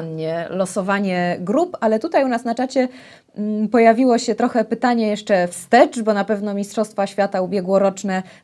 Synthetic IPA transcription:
nɲɛlɔsɔvaɲɛɡɾupalɛt̪ut̪ajunasnat͡ʂat͡ɕɛ | pɔjavʲiwɔɕɛt̪ɾɔxɛpɘt̪aɲɛjɛʂt͡ʂɛfst̪ɛt͡ʂbɔnapɛvnɔmʲistʂɔst̪faɕfʲjat̪aubʲjɛɡwɔɾɔt͡ʂnɛ

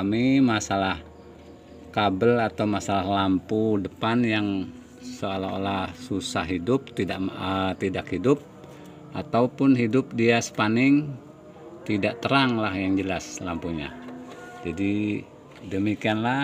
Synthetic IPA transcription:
kamimasalah | kabəlat̪awmasalahlampudəpanjaŋ | soalaolahsusahɦidʊp̚t̪idaʔət̪idakhidʊp̚ | ʔat̪aupʊnɦidʊp̚diasə̥panɪŋ | t̪idaʔt̪əɾaŋlahjaŋd͡ʒəlaslampuɲa̰d͡ʒadi | dəmikianla

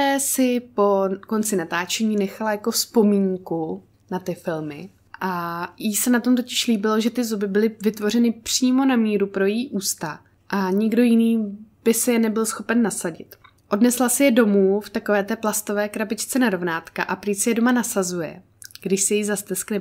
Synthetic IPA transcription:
ɛsɪpo̞ko̞nt͡sɪnat̪aːt͡ʃɛɲiːnɛxalajakofspo̞miːŋku | nat̪ɪfɪlmɪ | ʔajisɛnat̪o̞mt̪ocɪʃliːbɪlo̞ʒɛt̪ɪzubɪbɪlɪvɪt̪vo̞r̝ɛnɪpr̝̥iːmo̞namiːɾupɾo̞jɛjiʔuːst̪a | ʔaɲɪɡdo̞jɪniːb̥ɪsɪjɛnɛbɪlsxo̞pɛnːasaɟɪt̪ | ʔo̞dnɛslasɪjɛdo̞muːft̪akovɛːt̪ɛːplast̪o̞vɛːkɾabɪt͡ʃt͡sɛnaɾo̞vnaːt̪ka̰ʔapɾisɪjɛdo̞manasazujɛ̰ | ɡdɪʃsɛjɛizast̪ɛsknɛ

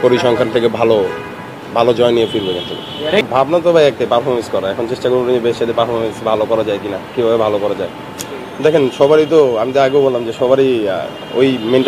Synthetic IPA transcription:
koɾiʃɔŋkʰant̪ʰekebʱalo | bʱalod͡ʑɔeniefiɾbod͡ʑant̪ʰobḛbʱabnat̪̬obajɛk̚t̪epaɾfʰɔɾmẽnskɔɾaɛkʰont͡ɕeʃʈakoɾboiebeʃʃat̪epaɾfʰɔɾmensbʱalokɔɾad͡ʑaekinakibʱabebʱalokɔɾad͡ʑae | d̪ɛkʰenʃɔbaɾit̪̬oamit̪oaɡeobolamd͡ʑeʃɔbaɾi | o̰jmeɳʈ

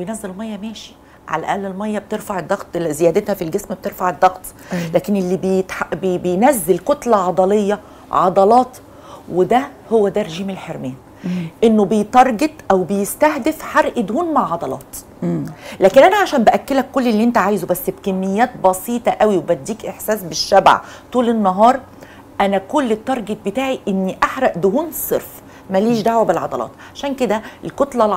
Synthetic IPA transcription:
bejnæzːelelmɑjːɑmæːʃi̥ | ʕa̰læ̰ʔæ̰ːlːelmɑjːɑb̚t̪eɾfaʕed̪ˤːɑɣt̪zejæːd̪et̪hæfilɡesmb̚t̪eɾfaʕed̪ːɑɣt̪ˤ | læːkenʔelːibejt̪ħabbejnæzːelkot̪lɑʕɑd̪ˤɑlejːɑ | ʕɑd̪ˤɑlɑːt̪ | wed̪æhowːæd̪ærːeʒiːmelħeɾmæːn | ʔenːobejt̪ɑɾˤɡet̪ˤʔæwbejest̪æhd̪efħaɾʔed̪huːnmaʕʕɑd̪ɑlɑ̰ːt̪ | læːkenʔænæʕaʃæːmbæʔækːelækːolːelːiʔent̪æʕaːjzobæsːbkæmːejːæːt̪̚bɑsiːt̪ˤɑʔæwiwebæd̪ːiːkʔeħsæːsbeʃːæb̰ʕt̪ˤuːlenːɑɦɑːɾˤ | ʔænækolːet̪ːɑɾˤɡet̪̚bet̪aːʕiʔenːiʔaħɾˤɑʔd̪ohuːnsˤeɾf | mæliːʃd̪aʕwæbelʕɑd̪ɑlɑ̰ːt̪ʕaʃæːnked̪æʔelkot̪lɑl

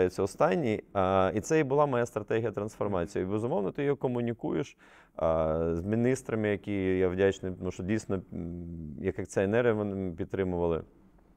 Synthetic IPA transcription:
jʊt͡sʲːɐɔst̪ɑnʲːiit̪sɛibʊlˠɑmɔjast̪ɾɐt̪ɛɦʲijɐt̪ɾɐnsfɔrmɑt͡sʲijibezʊmɔwnɐt̪ɪjɔjɔkɔmʊnʲikujeʃ | zmʲinist̪ɾɐmɪjɐkʲijaʋdʲat͡ʃnɪmuʃɔdʲijsʲnɔ | jɐkɐkt͡sʲɛnɛrʲijɐʋɔnɪpʲid̪t̪ːɾɪmʊʋɐlˠɪ̰

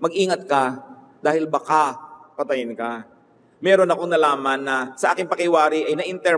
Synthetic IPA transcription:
mɐɡʔiːŋɐt̪̚kɐ | d̪̥aːhɪlbɐkapɐt̪ɐjɪnka | mɛːɾonɐkoŋnɐlaːmɐnːɐsɐʔaːkɪŋpɐkɪwaːɾɪʔɐjnɐʔɪnt̪ɛ

